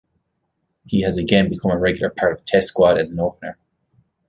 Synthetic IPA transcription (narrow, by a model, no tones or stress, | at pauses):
hiɨzɨɡɛ̃nbɨkʰʌ̃məɹɛɡjl̩ˠə̰˞pʰɑɹɾʌv̥tʰɛskwɑɾɨzn̩oʊpənə˞